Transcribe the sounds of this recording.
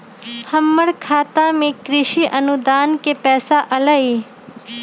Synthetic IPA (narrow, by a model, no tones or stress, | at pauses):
həmːəɽkʰaːt̪ãmẽkɾɪʃiʔɐnud̪aːnkepɛːsaʔɐlaiː